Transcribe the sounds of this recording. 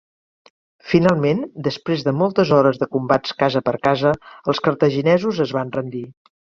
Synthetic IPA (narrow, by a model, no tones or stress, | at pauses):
finalˠmend̪əspɾezðəmɔlˠt̪əzɔɾəzðəkumbat͡skazəpəɾkazəəlˠskəɾt̪əʒinɛzuzəzβanrənd̪i